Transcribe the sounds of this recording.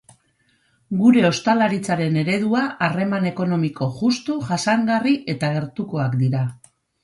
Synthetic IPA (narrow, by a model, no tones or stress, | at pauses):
ɡuɾe̞o̞st̪alaɾit͡saɾe̞ne̞ɾe̞ðuaare̞mane̞ko̞no̞miko̞ʝust̪uʝasaŋɡariʔe̞t̪aɣe̞ɾt̪uko̞akd̪iɾa